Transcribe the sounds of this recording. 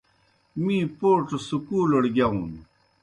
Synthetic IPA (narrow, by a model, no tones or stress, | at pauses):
mĩːpoːʈsukuːloɽɡaũn